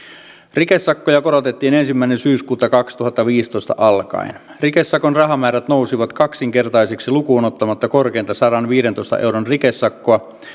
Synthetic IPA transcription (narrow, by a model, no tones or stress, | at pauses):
rikesːɑkːojɑkoɾot̪et̪ːiːne̞nsimːæinensyːskuːt̪ːɑkɑkst̪uhɑt̪ːɑʋiːst̪o̞jst̪ɑ̰ʔɑlkɑ̰in | rikesːɑkonrɑɦɑmæːɾæt̪nousiʋɑt̪kɑksiŋke̞rt̪ɑjseksilukuːnot̪ːɑmɑt̪ːɑkorkeːnt̪ɑsɑɾɑnʋiːɾent̪o̞ist̪ɑ̰ʔewɾonrikesːɑkːoɑ